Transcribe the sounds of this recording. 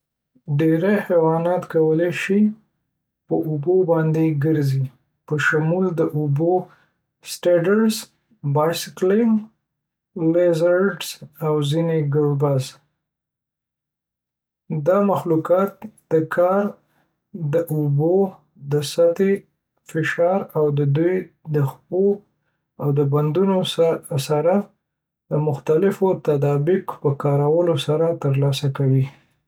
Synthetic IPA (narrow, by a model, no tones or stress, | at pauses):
ɖeɾahewɑnɑt̪kawəleʃi | pəʔubobɑnd̪eɡəɾzi | pəʃamuld̪əʔubo | sʈeɖəɾz | bɑjsɪklɪŋ | lezaɾɖsawzineɡəɽbaz | d̪ɑmaxlukɑt̪̚d̪̥əkʰɑɾ | d̪əʔuʊbo | d̪əsat̪e | fɪʃɑɾawd̪əd̪uj | d̪əxpo | awd̪əband̪unosaɾa | d̪əmʊxt̪alɪfot̪ad̪ɑbɪkpəkɑɾawəlosaɾat̪əɾlɑsakawi